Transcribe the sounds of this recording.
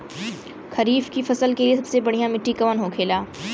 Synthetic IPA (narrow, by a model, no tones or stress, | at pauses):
kʰɐɾiːfkifɐsəlkeliesɐbsebɐɽ̤ijãmɪʈːikɐʋənɦokʰeːlaː